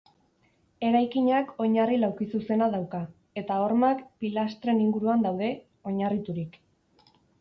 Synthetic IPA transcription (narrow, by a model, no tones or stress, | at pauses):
e̞ɾajkiɲako̞ɲarilawkisuse̞naðawka | e̞t̪ao̞ɾmakpilast̪ɾe̞niŋɡuɾuand̪awð̞e̞ | o̞ɲarit̪uɾik